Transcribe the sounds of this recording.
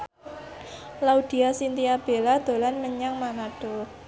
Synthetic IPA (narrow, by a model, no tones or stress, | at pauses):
laud̪̥i̤asint̪iab̥e̤lad̪̥o̤lanməɲaŋmanaɖ̥o̤